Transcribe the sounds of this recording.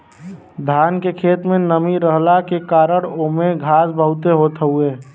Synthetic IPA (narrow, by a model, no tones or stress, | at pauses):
d̪ʱaːnkekʰeːt̪mẽnəmiɾəɦlakekaːɾəɽ̃omẽɡʱaːsbʱəɦʊt̪eɦoːt̪əɦueː